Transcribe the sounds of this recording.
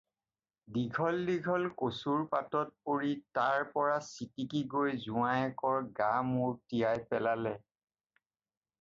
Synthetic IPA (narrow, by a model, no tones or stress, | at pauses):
diɡʱɔlːiɡʱɔlkosuɹpatɔt̚poɹitaɹpɔɹasitikiɡojzʊajɛkɔɹɡamuɹtiajpɛlalɛ